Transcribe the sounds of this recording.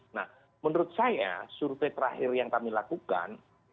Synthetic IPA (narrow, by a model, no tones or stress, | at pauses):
nah | mənəɾʊt̪̚saja̰suɾt̪et̪əɾahɪrjaŋkamilakuka̰n